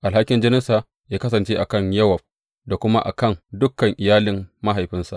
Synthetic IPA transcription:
ʔa˨lha˦kʲːɪ˦nd͡ʒɪ˦nɪ˦nsaː˨ | jaː˦kɐ˦sɐ˨nt͡ʃeː˦ʔa˨kɐ˦˨ɲjɐ˦wɐ˨b̚ | da˨kʷʊ˦ma̰˦ʔa̰˨kɐ˦˨ndʊ˦kːɐ˨ŋʔɪ˨jaː˦lɪ˨mːa˦ɦa˨jɸɪ˦nsa˨ʔ

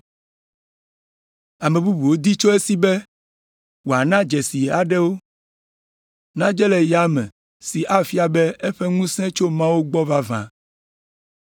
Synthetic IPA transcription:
a˨mẽ˨bu˦bu˨wo˦d̪i˦t͡ʃo˦e˦si˦bɛ˦ | wo˨a˨nã˦d͡ʒɛ˨si˨a˨ɖɛ˦wo˦ | nã˦d͡ʒɛ˦lɛ˨ja˦mɛ̰̃˨ | si˨ʔa˦fi˦a˨bɛ˦e˦ɸɛ˦ŋũ˦sɛ̃˦t͡ʃo˦mã˦wo˦ɡ͡bɔ˦va˦vã̰˨

